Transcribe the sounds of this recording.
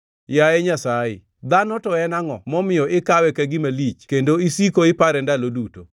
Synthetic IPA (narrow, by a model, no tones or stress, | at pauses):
jajɛɲasajɪ̰ | d̪anɔtɔɛnaŋɔ̰mɔmɪjɔʔɪkawɛkɛɡɪmalit͡ʃkendoisikoɪpaɾɛndaloduto